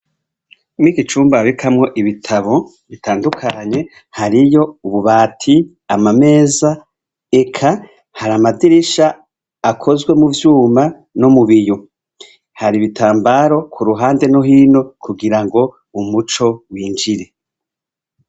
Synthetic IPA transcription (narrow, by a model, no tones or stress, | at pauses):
nikit͡ʃuːmbaβikʰamŋo̞ʔiβitʰaβo̞ | βitaːndukʰaɲe̞ | haɾijo̞uβuβaːtʰi | amame̞ːza | e̞kʰa | haɾamadiɾiʃaː | kʰo̞zɡwe̞muvjuːma | nomuβijo | haɾiβitaːmbaɾo̞kʰuɾuɦaːnde̞noɦiːno̞kʰuɡiɾaŋɡo̞ | umut͡ʃo̞wiːnd͡ʒiɾe̞